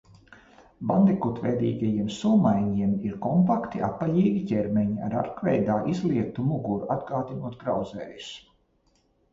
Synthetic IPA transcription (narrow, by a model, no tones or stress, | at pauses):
band̪ɛkut̪vɛjd̪ḭːɡajiɛmsulmajɲiɛmiɾkɔmpakt̪iʔapːaʎiːɡʲicʲɛɾmɛɲia̰ɾa̰ɾkvɛ̰jd̪aːʔizlˠiɛt̪umuɡuɾuad̪ɡaːd̪inuɔt̪̚ɡɾawzɛːju̥s